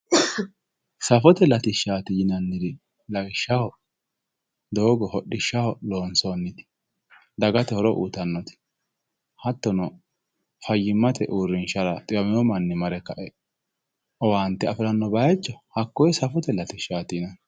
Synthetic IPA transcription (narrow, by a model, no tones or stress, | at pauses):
sɐfɔt̪ɛlɐt̪ɪʃaːt̪ɪjɪnɐnːɪd̪ɪ | lɐɡɪʃːɐhɔ | d̪oːɡɔhɔɗːɪʃːɐhɔloːnsonːɪt̪ɪ̥ | d̪ɐɡɐt̪ɛhɔɾɔʔṵːt̪ɐnːɔt̪ɪ̥ | hɐt̪ːɔnɔ | fɐjːɪmːɐt̪ɛʔuːɾɪnʃɐɾɐt̪ʼɪjɐmɪjɔmɐnːɪmɐɾɛkɐʔɛ | ʔɔwaːnt̪ːɛɐfɪlɐnːɔbɐt͡ʃːɔhɐkːɔjɛsɐfɔt̪ɛlɐt̪ɪʃaːt̪ɪnɐn